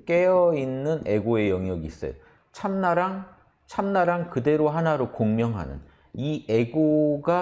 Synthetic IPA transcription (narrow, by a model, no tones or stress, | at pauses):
k͈e̞jʌinːɯne̞ɡoe̞jʌŋjʌɡiːs͈ʌ̰jo̰ | t͡ɕʰamnaɾaŋ | t͡ɕʰamnaɾaŋkɯde̞ɾoɦanaɾokoŋmjʌŋɦa̰nɯ̰n | ie̞ɡoɡa